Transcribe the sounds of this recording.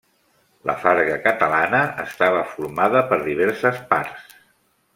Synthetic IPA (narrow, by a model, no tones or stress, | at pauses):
lə̰faɾɣəkət̪əlanəə̰st̪aβəfuɾmaðəpəɾðiβ̞ɛɾsəspaɾs